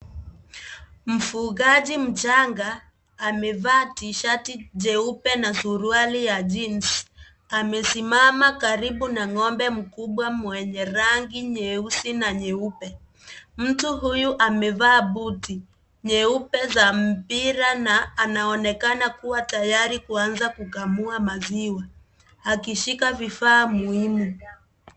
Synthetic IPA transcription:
m̩fuɣaʄim̩t͡ʃaŋɡaː | mɛvaːtiʃatiʄɛupɛnazuɾualijad͡ʒinsi̥ | amɛsimamakaɾiɓunaŋɔmbɛm̩kuɓwamwɛɲɛɾaŋɡiɲɛusinaɲɛupɛ | m̩tuɦujuʔamɛvaːɓuti | ɲɛupɛzam̩piɾanaːnaɔnɛkanakuwatajaɾikuanzakukamuamaziwa | akiʃikavifaːmuhimu

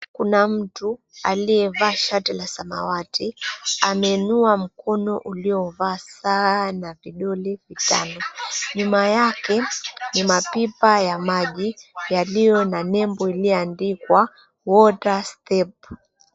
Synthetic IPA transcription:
kunam̩tu | aliɛvaːʃatilasama̰watiamɛnuam̩kɔnɔʔuliɔvaːsaːnaviɗɔlivita̰nɔɲumajakɛnimapipajamaʄijalijɔnanɛmbɔiliɔandikwa | wɔtastɛp̚

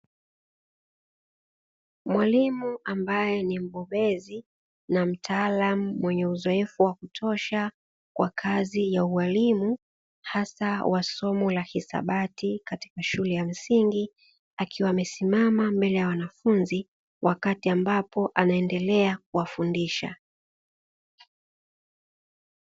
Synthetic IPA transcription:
mwalimuʔambajɛnim̩ɓɔɓɛzi | nam̩tʰaːlamumwɛɲɛuzɔɛfuwakutʰɔʃa | kwakʰazijauwalimu | hasawʔasɔmɔlahisa̰ɓatikati̥kaʃulɛjam̩siŋɡi | akʰiwaːmɛsimamambɛlɛjawanafunzi | wʔakatiambapɔʔanaɛndɛlɛak̚uwafundiʃa̰

